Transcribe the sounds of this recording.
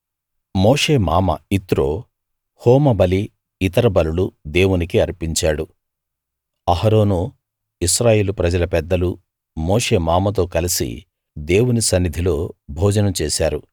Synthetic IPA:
moːʂe̞ːmaːmɐ̰it̪ɾoː | hoːmɐbɐliː | t̪ɐɾɐbɐluɽud̪e̞ːwunikiɐɾpiɲt͡ʃaːɽu | ɐɦɐɾo̞ːnu | iʃɾaːje̞ːlupɾɐd͡ʒɐlɐpɛd̪ːɐlu | moːʂe̞ːmaːmɐt̪̬o̞ːkɐlisḭ | d̪e̞ːwunisɐnːid̪ʱilo̞ːbʱɔːd͡ʒɐnɐmt͡ʃeːsaːɾu

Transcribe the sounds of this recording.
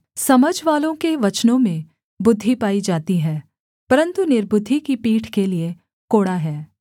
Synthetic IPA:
sɐməd͡ʒʱʋaːlõkeʋɐt͡ʃnõmẽ | bʊd̪ʱːipaːid͡ʒaːt̪iɦɛː | pɐɾə̃nt̪unɪɾbʊd̪ʱːikipiːʈʰkelie | koːɽaɦɛː

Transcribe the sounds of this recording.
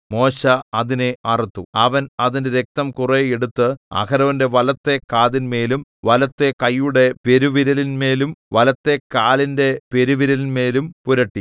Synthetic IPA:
mo̞ːɕɐɐðineɐrit̪ːuɐʋɐnɐðinde̞ɾek̚t̪ɐmkureeɽut̪ːɨɐ̰kɐɾɐʋɐnde̞ʋɐlɐt̪ːe̞kaːðinme̞ːlumʋɐlɐt̪ːe̞kɐjːuɽe̞pe̞ɾuʋiɾɐlinme̞ːlumʋɐlɐt̪ːe̞kaːlinde̞pe̞ɾuʋiɾɐlinme̞ːlumpuɾɐʈːi

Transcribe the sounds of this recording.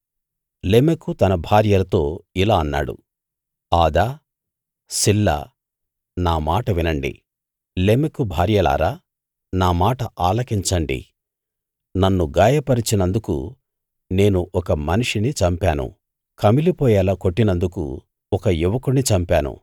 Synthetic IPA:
leːmekut̪ɐnɐbʱaːɾjɐlɐt̪o̞ːilaːɐnːa̰ːɽṵ | aːd̪aː | silːɐ̰ | naːmaːʈɐʋinɐɳɖḭ | leːmekubʱaːɾjɐla̰ːɾaː | naːmaːʈɐʔaːlɐkiɲt͡ʃɐɳɖḭ | nɐnːuɡaːjɐpɐɾit͡ʃinɐnd̪ukṵ | ne̞ːnuʔɔkɐmɐniʂinit͡ʃɐmpaːnṵ | kɐmilipɔːjaːlaːkoʈːinɐnd̪ukṵ | ɔkɐjuʋɐkuɳːit͡ʃɐmpaːnṵ

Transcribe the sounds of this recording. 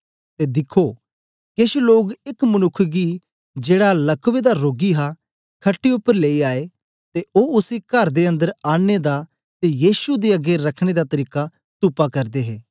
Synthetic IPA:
t̪ed̪ɪkʰo | kɪʃloːɡɪkmɐnʊkʰːɡi | d͡ʒeːɽalɐkʋed̪aɾoːɡiɦa | kʰɐʈːiʊpːəɾleːiaːe | t̪eoːʊsikɐɾd̪eɐ̃nd̪əɾaːɽ̃ed̪a | t̪ejiːsud̪iɐɡeɾɐkʰɽ̃ed̪at̪ɐɾiːka | t̪ʊpakɐɾd̪eɦɛː

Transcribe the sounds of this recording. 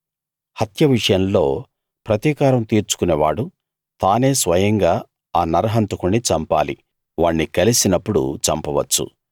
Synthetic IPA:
hɐt̪jɐʋiʂɐjɐmlo̞ː | pɾɐt̪iːkaːɾɐmt̪iːɾt͡ʃu̥kuneːʋaːɽu | t̪aːne̞ːsʋɐjɐŋɡaː | aːnɐɾɐɦɐnt̪ukuɳːit͡ʃɐmpa̰ːlḭ | ʋaːɳːikɐlisinɐpːuɽṵt͡ʃɐmpɐʋɐt͡ʃːṵ

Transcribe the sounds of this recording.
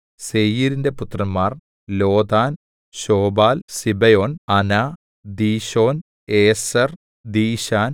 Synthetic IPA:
sejiɾinde̞put̪ːrɐmːaːr | lo̞ːd̪aːn | ɕoːbaːlsibɐjo̞ːnɐna | d̪iːɕo̞ːn | eːsɐr | d̪iːɕaːn

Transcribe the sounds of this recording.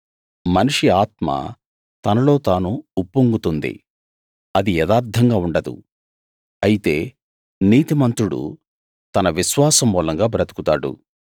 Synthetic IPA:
mɐnuʂiaːt̪ma̰ | t̪ɐnɐlo̞ːt̪aːnuːpːuŋɡut̪und̪ḭ | ɐd̪iɛd̪aːɾd̪ʰʱɐŋɡaːuɳɖɐd̪ṵ | ɐjit̪e̞ː | niːt̪imɐnt̪ɾuɽṵ | t̪ɐnɐʋiʃʋaːsɐmːuːlɐŋɡaːbɐɾɐt̪ukut̪aːɽṵ

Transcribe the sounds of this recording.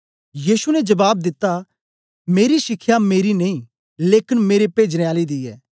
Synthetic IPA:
jiːsunɛd͡ʒɐbaːb̚d̪ɪt̪ːa | meːɾisɪkʰːjameːɾinɐĩ | leːkɪnmeːɾepeːd͡ʒneaːlid̪ijɛ̰ː

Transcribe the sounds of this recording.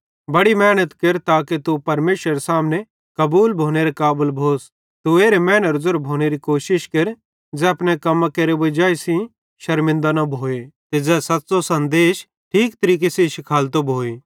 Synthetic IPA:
bɐɽimɛːnət̪kɪɾt̪aːket̪upɐɾmeːʃɾəɾesaːmne | kɐbuːlbʱoːñeɾekaːbəlbʱoːs | t̪ueːɾemɛːnəɾzʊɾbʱoːñeɾikoːʃɪʃkɪɾ | d͡zɛːɐpnekɐmãkeɾeʋɐd͡ʒaːisĩ | ʃɐɾmɪ̃nd̪anɐbʱoːet̪ed͡zɛːsɐt̪ːsosɐ̃nd̪eːʃ | ʈʰiːkt̪ɐɾiːk̬eseʃɪkʰaːlt̪̬obʱoːe

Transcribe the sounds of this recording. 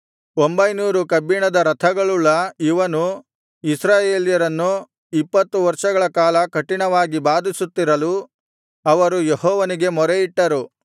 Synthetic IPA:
ombɐjnuːɾukɐbiɳɐd̪ɐɾɐt̪ʰɐɡɐɭuɭːɐiʋɐnu | isɾaːjeːljɐɾɐnːu | ipːɐt̪ːuʋɐɾʂɐɡɐɭɐkaːlɐkɐʈːiɳɐʋaːɡibaːd̪isut̪ːiɾɐlu | ɐʋɐɾujehɔːʋɐniɡe̞mɔɾeiʈːɐɾu

